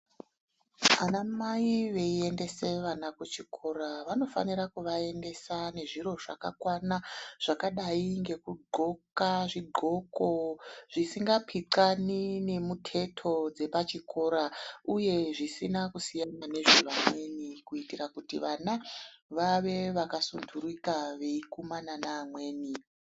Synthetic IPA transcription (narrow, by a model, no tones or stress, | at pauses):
anamaiʋe̞ie̞nde̞se̞ʋanakut͡ʃikʰo̞ɾaʋano̞fa̰niɾakuʋae̞nde̞sane̞ʐiro̞ʐa̰ka̰kwanaʐ̥akaɗaiŋɡe̞kuɡ͡ǃʱo̞kaʐiɡ͡ǃʱo̞ko̞ʐ̥isiŋɡapʰiǀanine̞mutʰe̞tʰo̞d͡ze̞pat͡ʃikʰo̞ɾauje̞ʐisinakusijanane̞ʐuramwe̞nikuitirakutiʋanaʋaʋe̞ʋakasunduɾikaʋe̞ikumananaːmwe̞ːni